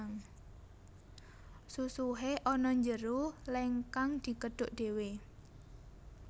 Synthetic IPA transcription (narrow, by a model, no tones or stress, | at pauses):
ŋ | susuɦeʔɔnɔɲd͡ʒəɾuleŋkaŋd̪̥i̤kəɖ̥ʊʔɖ̪̥ewe